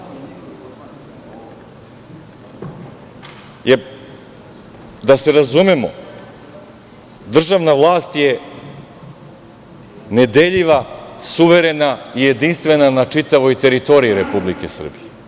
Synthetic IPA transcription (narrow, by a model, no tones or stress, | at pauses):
je | d̪aseɾazumemo̰ | d̪r̩ʒavnavlˠaːst̪je | ned̪eʎiʋasuʋeɾenaijed̪inst̪ʋenanat͡ʂit̪aʋojt̪eɾit̪oɾiiɾepublikesr̩bije